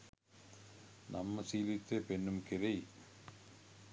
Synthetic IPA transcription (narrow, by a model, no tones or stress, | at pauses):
nɐmːɐsiːlɪt̪ːɐpɛnːɯmkɪɾɐɪ